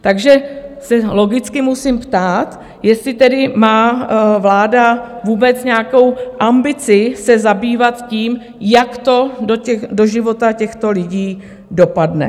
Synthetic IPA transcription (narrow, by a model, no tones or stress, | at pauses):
t̪aɡʒɛsɛlo̞ɡɪt͡skɪmusɪmpt̪aːt̪ | jɛst̪lɪt̪ɛdɪmaːvlaːdavuːbɛt͡sɲɛako̞wʔambɪt͡sɪsɛzabiːvat̪ciːm | jakt̪o̞doɛxdo̞ʒɪvo̞t̪acɛxt̪o̞lɪɟiː | do̞padnɛ̰